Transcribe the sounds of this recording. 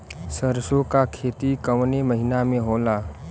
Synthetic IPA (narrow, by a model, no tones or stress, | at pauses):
səɾsokakʰeːt̪ikəʋneməɦɪnamẽɦoːlaː